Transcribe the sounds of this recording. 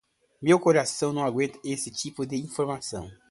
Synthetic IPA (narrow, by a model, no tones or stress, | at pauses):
mewkoɾasɐ̃w̃nɐ̃w̃aɡwẽnt̪ɐesɪt͡ʃipʊd̪ɪĩfoɾmasɐ̰̃w̃